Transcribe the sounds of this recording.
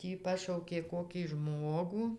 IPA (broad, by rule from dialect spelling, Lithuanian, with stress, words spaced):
ˈtʲiː ˈpɑːʃɐʊkʲeː ˈkoːkʲiː ˈʒmoːɡʊ